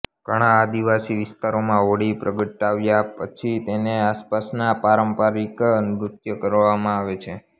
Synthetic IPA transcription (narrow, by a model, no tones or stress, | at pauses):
ɡəɽ̃aːd̪iʋasiʋɪst̪aɾomãoɽipɾəɡəʈːaʋjapət͡ʃʰit̪eneaspasnapaɾəmpaɾikənɾut̪jəkəɾʋamãaʋet͡ʃʰe